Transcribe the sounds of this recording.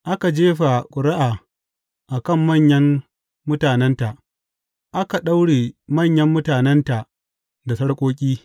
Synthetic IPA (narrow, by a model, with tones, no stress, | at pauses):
ʔa˦ka˨d͡ʒeː˦ɸa˨kʷʼʊ˨ɽɪ˦ʔaː˨ | ʔa˨kɐ˦˨mːɐ˦˨ɲjɐ˦mː | ʊ˦taː˨nɛ˦nta˨ʔ | ʔa˦ka˨ɗa˦wɽeː˨mɐ˦˨ɲjɐ˦mːʊ˦taː˨nɛ˦nta˨ʔ | da˨sɐ˦ɽkʷʼoː˦kʲʼiː˦